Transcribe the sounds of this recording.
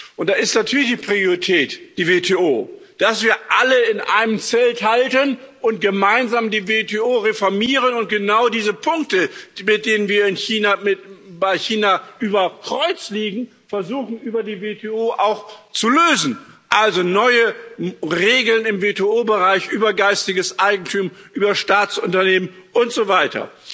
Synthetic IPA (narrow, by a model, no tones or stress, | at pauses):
ʔʊntd̥aːɪstnatʰyːɐlɪçd̥iːpʁ̥ioʁitʰɛːtd̥iːvetʰeːoːd̥asv̥iːɐʔaləɪnʔa̰ɪnəmt͡sɛlthaltən | ʔʊnt̚ɡ̥əmaɪnzaːmdiːvetʰeːoːʁefɔɐmiːʁ̞ənʊnt̚ɡ̥ənaʊdiːzəpʰʊŋk̚təmɪt̚d̥eːnənviːɐɪnçiːnamɪbaɪçiːnaʔyːbɐkʁ̥ɔʏt͡sliːɡŋ̩ | fɛɐzuːxn̩ʔyːbɐdiːvetʰeoːʔaʊxt͡suløːzn̩ʔalzonɔʏə | ʁeːɡl̩nɪmveteoːbəʁaɪçʔyːbɐɡaɪstɪɡəsʔaɪɡŋ̩tʰuːmʔyːbɐʃtaːtt͡sʊntɐneːmənʔʊntz̥ovaɪtɐ̰